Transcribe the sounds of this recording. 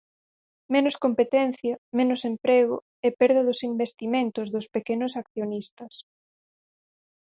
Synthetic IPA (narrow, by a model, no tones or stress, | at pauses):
menʊskompet̪ɛnθjɐmenʊsempɾeɣʊ̰ | ɛpɛɾðɐðʊsimbest̪imẽnt̪ʊzðʊspekenʊsakθjonist̪ɐs